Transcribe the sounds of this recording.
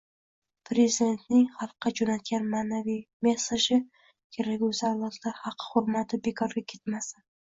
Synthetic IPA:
pʰɾe̞zid̪ʲe̞nt̪nɪŋχɑlˠqːɑd͡ʒonat̪̚ɡʲanmaːnavijme̞saʃɪ | kʲʰe̞ɾakʲʊzaɾlˠɒt̪ʰlaɾhɑqʰːɨ̥hʊɾmat̪ʰɪbe̞kʰɒɾɡʲakʲʰe̞t̪masɪn

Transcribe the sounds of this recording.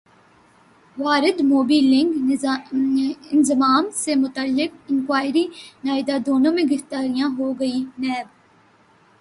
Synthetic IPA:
ʋaːɾɪd̪moːbiːlɪ̃ŋɡ | ɪnzɪmaːmsemʊt̪əlːɪk̚ɪ̃ŋkʋaːɪɾinaːɪd̪ad̪oːnõːmẽɡɪft̪aːɾijãɦoɡɐinɛːb̚

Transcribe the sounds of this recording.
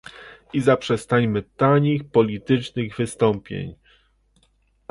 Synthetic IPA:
izapʂɛst̪aɲmɘt̪aɲixpɔlʲit̪ɘt͡ʂnɘɣvɘst̪ɔmpʲjḛɲ

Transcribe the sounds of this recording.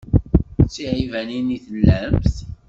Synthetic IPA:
t͡sːiʕivæniniθəlːæmθ

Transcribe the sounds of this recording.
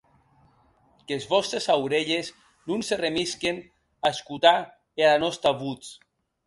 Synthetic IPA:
kezβɔst̪ɾesawɾeʎez | nunseremisken | aeskut̪a | ealanɔst̪aβut͡s

